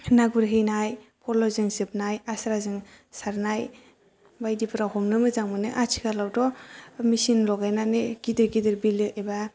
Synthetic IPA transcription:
naɡuɾɦɯjnajpʰɔlɔzɯŋsɯp̚najasɾazɯŋ | saɾnaj | bajdipʰɯɾahɔmnɯmɯzaŋmɯnɯʔat͡ʃʰi̥kʰalawdɔmisinlɔɡajnanɯɡidɯɾɡidɯɾbilɯʔeba

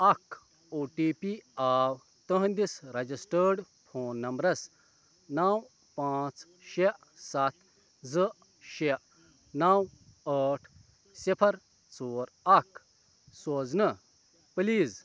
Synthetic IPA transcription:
ɐk | oːʈiːpiaːw | t̪əɦnd̪isɾɐd͡ʑisʈəɾɖ | pʰoːnːɐmbɾɐs | naw | pãt͡s | ɕeʔ | sat̪ | d͡zəʔ | ɕeʔ | naw | əʈʰ | sipʰɐɾ | t͡soːɾ | ɐk | soːd͡znə | pliːz

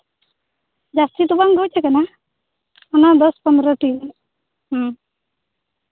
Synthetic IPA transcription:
d͡ʒast̪it̪ubaŋɡɔwt͡ʃʰɛkɛna | ɔnad̪ɔspɔnd̪ɾɔʈi | ɦ

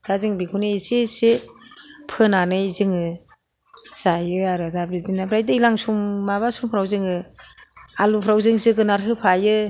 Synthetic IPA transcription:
d̥azɯŋbikʰunɯsise | pʰɯnanɯjzɯŋɯ | sajɯaɾɯdabɾizinabɾajdɯilaŋsumːaβasumpʰɾawzɯŋɯ | alupʰɾawzɯŋsɯɡɯnaɾɦɯpʰajɯ

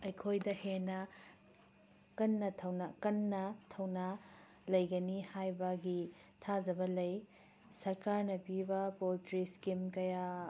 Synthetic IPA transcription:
ɐjkʰojdɐhenɐ | kɐnːɐtʰɐwnɐkɐnːɐtʰɐwnɐ | lɐjɡɐnihajbɐɡitʰazɐbɐlɐj | sɐɾkaɾnɐpibɐpoltɾiskimkɐja

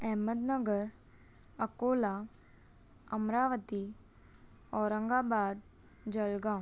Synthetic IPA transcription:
ɛɦməd̪nəɡəɾ | əkoːla | ɐmɾaːʋət̪i | ɔːɾə̃ŋɡaːbaːd̪ | d͡ʒəlɡãː

